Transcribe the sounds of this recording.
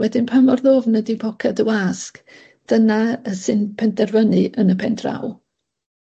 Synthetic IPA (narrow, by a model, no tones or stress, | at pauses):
wɛdɪnpʰamɔrðoːvnədibʰɔkʰadəwask | d̥ənaəsɨnpʰɛndɛrvənɨʔənəpʰɛndra̰w